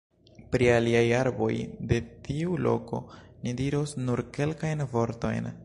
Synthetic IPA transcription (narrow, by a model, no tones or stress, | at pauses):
pɾialiajaɾbo̞̰jde̞tʰiulo̞̰ko̞̰nidiɾosnuɾke̞lkajnvo̞ɾto̞̰jn